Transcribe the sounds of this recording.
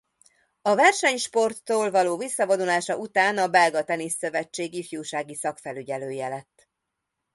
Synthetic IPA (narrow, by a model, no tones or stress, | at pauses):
ɒvɛrʃɛɲʃpo̞rt̪ːoːlvɒloːvisːɒvod̪ulaːʃɒʔut̪aːnɒbɛlɡɒt̪ɛniːsːøvɛt͡ʃːeːɡifjuːʃaːɡisɒkfɛlyɟɛløːjɛlɛt̪ː